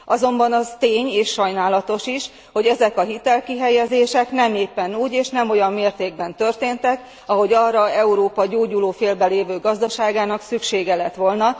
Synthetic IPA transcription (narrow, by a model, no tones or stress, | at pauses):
ɒzo̞mbɒnɒzt̪eːɲeːʃːɒjnaːlɒt̪o̞ʃiʃ | ho̞ɟɛzɛkɒɦit̪ɛlkiɦɛjɛzeːʃɛknɛmeːpːɛnuːɟeːʃnɛmo̞jɒmːeːrt̪eːɡ̚bɛnt̪ø̞rt̪eːnt̪ɛk | ɒɦo̞ɟɒːrɒɛuɾoːpɒɟoːɟuloːfeːlbɛleːvøːɡɒzd̪ɒʃaːɡaːnɒksykʃeːɡɛlɛt̪ʋo̞lnɒ